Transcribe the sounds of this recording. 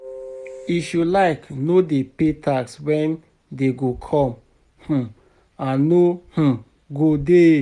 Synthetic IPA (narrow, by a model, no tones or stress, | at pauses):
iʃulaɪknodepetʰakswɛ̃n | deɡokʰɔ̃m | h̩ | ãːoh̩ | ɡode